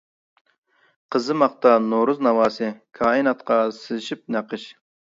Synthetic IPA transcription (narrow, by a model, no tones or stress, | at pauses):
qʰəzɨmɑqt̪ɑnoɾuznɑwɑːsɨkʰɑːinɑt̪qʰɑsɪzɪʃip̚næqʰəʃ